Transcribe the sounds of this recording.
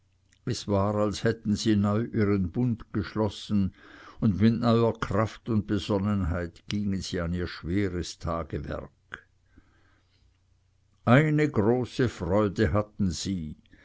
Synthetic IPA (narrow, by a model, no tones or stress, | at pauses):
ɛsv̥aːʁalshɛtn̩ziːnɔʏʔiːʁənbʊndɡ̥əʃlɔsn̩ʊndmɪtnœʏɐkʰʁ̥aftʊnt̚bəz̥ɔnənɦaɪtɡ̥iːŋənz̥iːaniːɐʃv̥eːʁəstʰaːɡ̥əvɛ̰ʁk | ʔaɪnəɡʁoːsəfʁɔʏdəɦatn̩z̥iː